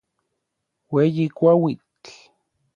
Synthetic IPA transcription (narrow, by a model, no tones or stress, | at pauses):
wejikʷawit